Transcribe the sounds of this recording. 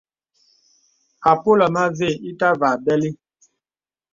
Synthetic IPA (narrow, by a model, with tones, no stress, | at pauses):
a˨po˦la˨ma˦ve˦˨i˦ta˦va˨bɛ˦li˦